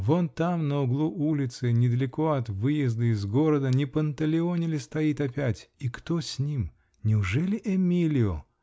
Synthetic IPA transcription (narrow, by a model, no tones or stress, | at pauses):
vont̪amnəʊɡlˠuʔulʲɪt̪sɨnʲɪd̪əlʲɪko̞ɐt̪vɨjɪzd̪əɪzɡo̞ɾəd̪ənʲɪpənt̪əlʲɪo̞nʲɪlʲɪst̪ɐjit̪ɐpʲætʲikt̪osʲnʲim | nʲɪʊʐɛlʲɪʔɛmʲilʲɪo